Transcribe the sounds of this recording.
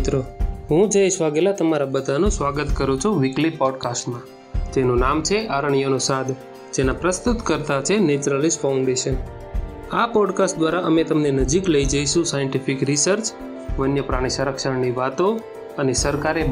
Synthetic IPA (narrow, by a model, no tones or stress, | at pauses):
t̪ɾoɦũd͡ʒəiʃʋaɡelat̪əmaɾabəd̪ʱanũsʋaɡət̪kəɾũt͡ʃʰuʋɪklipɔɖkasʈmã | d͡ʒenũnamt͡ʃʰeʔaɾəɳ̃ijonõsad̪ | d͡ʒenapɾəst̪ut̪kəɾt̪at͡ʃʰenet͡ʃɾəlisfʰaũɳɖeʃən | apɔɖkasʈd̪ʋaɾaʔəmet̪əmnenəd͡ʒikləid͡ʒəiʃũsajəɳʈifikɾisəɾt͡ʃ | ʋənjəpɾaɽ̃isəɾəkʃəɾniʋat̪o | ənesəɾkaɾe